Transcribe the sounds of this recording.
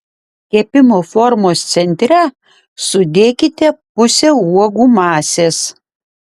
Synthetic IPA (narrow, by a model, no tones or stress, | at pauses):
kʲiɛpʲɪmoːfɔɾmoːst̪sʲɛnʲt̪ʲɾʲɛ | sʊd̪ʲeːkʲɪt̪ʲɛpʊsʲeuɔɡuːmɑːsʲeːs